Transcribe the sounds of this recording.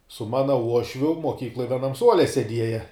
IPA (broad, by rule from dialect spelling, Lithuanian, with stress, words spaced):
sʊ ˈmɑːnɐ ˈuɔʃʲʋʲʊ moːˈkʲiːklˠoːj ʋʲiɛˈnɐm ˈsuɔlʲɛ sʲɛˈdʲiɛjɛ